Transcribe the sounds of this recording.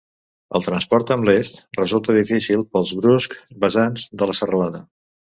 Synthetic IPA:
ə̰lˠt̪ɾənspɔɾt̪əmlest̪rəzulˠt̪əðifisilˠpəlˠzβɾuskbəzanzd̪ələsərəlaðə

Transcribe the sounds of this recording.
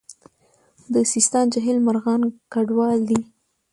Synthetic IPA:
d̪əsist̪ɑnd͡ʒaɦɪlmaɾɣɑnkaɖwɑld̪i

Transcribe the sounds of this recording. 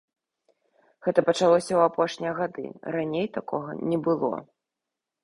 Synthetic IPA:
ɣɛt̪ɐpɐt͡ʂalˠɔsʲɐwapɔʂnʲijɐɣad̪ɨ̰ranʲejt̪akɔɣɐ̰nʲɛbɨlˠɔ̰

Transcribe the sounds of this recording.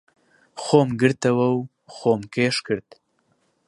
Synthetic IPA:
xoːmɡɨɾt̪ɐwɐw | xoːmkeʃkɨɾt̪

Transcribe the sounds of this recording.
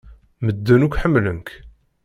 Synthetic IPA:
məd̪ːənukʷħəmːləmk

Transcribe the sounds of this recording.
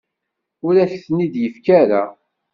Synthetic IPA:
ʊɾæçθnid̪jəfkæɾa

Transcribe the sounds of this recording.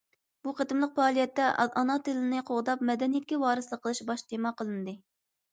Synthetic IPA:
buqʰət̪ɨmlˠəq̚pɑːlˠijɛt̪ːɛɑnɑt̪ʰɪlɪnɨqʰoʁd̪ɑpmɛd̪ɛnijɛt̪̚kʲiwɑːɾɨsəlˠəqʰːəlˠɨʃbɑʃt̪ʰemɑqʰəlˠɨnɨd̪ɨ

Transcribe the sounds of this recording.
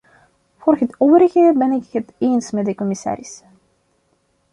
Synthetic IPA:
vorxətoːvəɾəɣəbɛnɪkhətensmɛdəkɔmɪsa̰ːɾɪs

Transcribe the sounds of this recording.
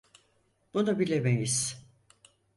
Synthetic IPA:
b̥unabilʲemejiz̥

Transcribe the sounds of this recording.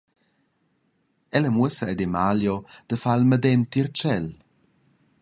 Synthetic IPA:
ɛlɛmuesaɛd̪emaljod̪̥əfalməd̪ɛnt̪iɾt͡ʃɛl

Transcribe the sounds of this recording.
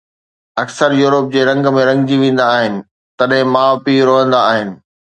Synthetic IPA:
ɐksəɾjuːɾəp̚d͡ʑeːɾɐ̃ŋɡmẽɾɐ̃ŋɡd͡ʑiʋẽːn̆d̪aːɦɪnɪ̆ | t̪ɐɗɦɪ̃maːpiɾoɦə̃nd̪aːɦɪnɪ̆

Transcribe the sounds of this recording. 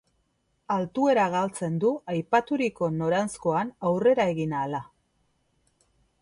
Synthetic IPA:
alt̪ue̞ɾaɣ̞alt͡se̞nd̪uajpat̪uɾiko̞no̞ɾansko̞anawre̞ɾae̞ɣinaːla

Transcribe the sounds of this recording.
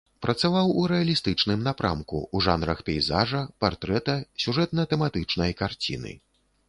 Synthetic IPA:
pɾʔɐt̪savawuɾɛɐlʲist̪ɨt͡ʂnɨmnapɾʔa̰mkṵuʐanɾɐxpʲɛjzaʐɐpart̪ɾɛt̪ɐsʲuʐɛt̪nɐt̪ɛmat̪ɨt͡ʂnɐjkart͡sʲḭnɨ̰

